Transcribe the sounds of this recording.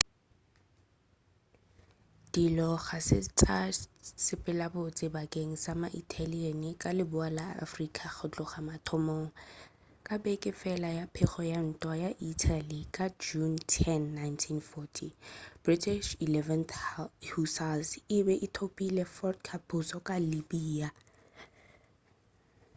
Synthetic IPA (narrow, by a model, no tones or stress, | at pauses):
d̥ilɔχasɪt͡sʼasɪpʼɪlabot͡sʼɪbakʼeŋ̩samaʔitʰaliɛnikʼalɪbʊala̰ːfrikʼaχʊt͡ɬʼɔχamatʰɔmɔŋa | kʼabɛkʼɪfɛlajapʰɛχɔjan̩tʼwajaʔitʰalikʼad͡ʒuntʰɛnːajntʰinfɔtʰib̥ritʰiʃilɛvɛnhusalsɪbɛʔɪtʰopʼilɛfɔrdkʰapʰʊsɔkʼalibiːa